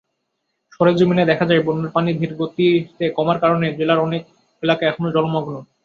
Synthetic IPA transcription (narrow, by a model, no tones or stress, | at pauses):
ʃɔɾed͡ʑomined̪ɛkʰad͡ʑaebonːoɾpanid̪ʱiɾɡot̪ːieʃt̪ekɔmaɾkaɾoned͡ʑelaɾɔnek̚ | elakaɛkʰonod͡ʑɔlomɔɡno